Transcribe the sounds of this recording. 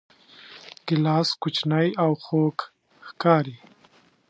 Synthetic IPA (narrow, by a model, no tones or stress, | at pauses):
ɡ̥ɪlɑːskʊt͡ʃnajawxok | xkɑɾi